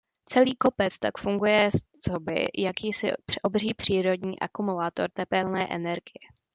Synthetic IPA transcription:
t͡sɛliːko̞pɛt͡st̪akfuŋɡujɛst͡so̞bɪ̰jakiːsɪ̰ʔobr̝iːpr̝̥iːɾo̞dɲiːʔa̰kumulaːt̪o̞ɾt̪ɛpɛlnɛːʔɛ̰nɛɾɡɪjɛ

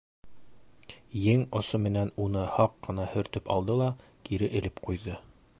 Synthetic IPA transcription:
jɘŋŏsomɘ̆nænunɤhɑqːɤ̆nɑhɵ̆ɾt̪ɵpɑ̰lˠd̪ɤlˠɑ | kiɾɘʔɘ̆lɘpqujðɤ

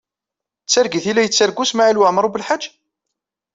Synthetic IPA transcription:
t͡sːaɾɡiθilːæjət͡sːaɾɡusmaʕalwaʕməɾˤubəlħḁd͡ʒː

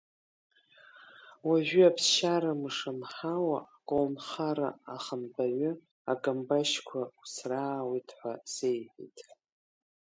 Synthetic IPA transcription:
waʒᶣʷʏapʰsʃaɾamɨʂamħawakʼownχaɾa̰aχənbaɥʷʏ | akʼambaʃkʷʰausraːwitʰʼħʷasejħḭtʼ

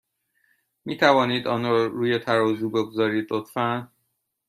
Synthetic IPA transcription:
miːt̪ʰævɒːniːd̪ɒːnɒɾuːjet̪ʰæɾɒːzuːbe̞ɡozɒːɾiːd̪lot̪fæn

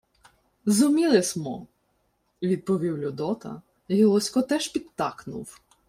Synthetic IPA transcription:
zʊmʲilˠɪsʲmɔ̰ | ʋʲid̪̚pɔʋʲiwlʲʊd̪ɔt̪ɐ̰ | ɦilˠɔsʲkɔt̪ɛʃpʲid̪t̪ːɑknʊ̰w

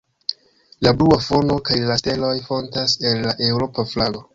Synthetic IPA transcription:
labluafo̞no̞kajlaste̞lo̞jfo̞ntase̞lːaʔe̞wɾo̞paflaɡo̞

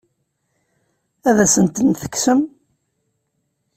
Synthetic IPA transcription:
æðæsənt̪ənθə̥kːsəm

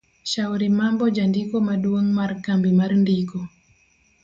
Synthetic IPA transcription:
ʃawɾimambɔd͡ʒandikɔmaɗwoŋmarkambimaɾndikɔ

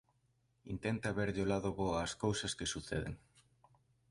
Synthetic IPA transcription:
int̪ɛnt̪ɐːβɛɾʎolaðoβoaːskowsɐskesuθɛ̰ðḛŋ

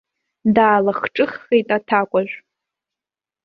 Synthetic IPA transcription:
daːlaχʈ͡ʂʼɨχːejtʼatʰakʷʼaʒᶣʷ

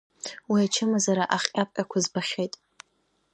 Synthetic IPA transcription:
wiat͡ʃʰɨmazaɾaʔaχʲʼapʼqʲʼakʷʰazbaχʲejtʼ

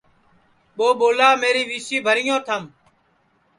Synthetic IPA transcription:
ɓoːɓoːlaːmeːɾiːʋiːsiːbʱəɾɪjõːt̪ʰəm

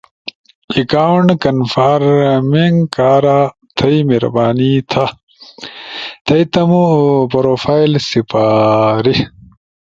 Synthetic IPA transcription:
ikaːwɳɖkɐnfaːɾmiŋɡkaːɾa | t̪ʰɐjmeɾɐbaːnit̪ʰa | t̪ʰɐjt̪ɐmupɐɾoːfaːjlsipaːɾi

